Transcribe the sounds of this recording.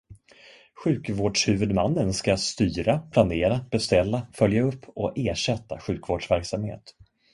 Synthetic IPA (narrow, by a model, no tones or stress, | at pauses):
ɧʉ̟ːkvoːɖʂhʉ̟ːvɵd̪manːənskast̪yːɾapʰlaneːɾab̥ɛst̪ɛlːafœljaɵpʰːɔʔeːʂɛt̪ːa̰ɧʉ̟ːkvoːɖʂvæɾksamhḛːt̪